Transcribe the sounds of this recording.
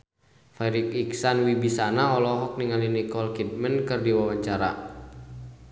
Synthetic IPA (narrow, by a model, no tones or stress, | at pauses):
fɛɾik̚iksanwibisanaɔlɔɦɔk̚niŋalinikɔlkit̪̚mənkɨrdiwawaɲt͡ʃaɾa̰